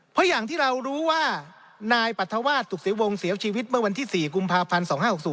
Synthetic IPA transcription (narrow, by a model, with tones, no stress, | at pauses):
pʰɔ˦˥jaː˨˩ŋt̪ʰiː˥˩ɾa˧wɾuː˦˥waː˥˩ | naː˧jpa˨˩t̪ʰːa˧waː˥˩t̪ʰːu˨˩si˩˦wo˧ŋsi˩˦əwt͡ɕʰiː˧wi˦˥t̪̚mɯ˥˩ɐwa˧nt̪ʰiː˥˩siː˨˩ku˧mpʰaː˧pʰa˧nsɔː˩˦ŋhaː˥˩ho˨˩k̚suː˨˩˦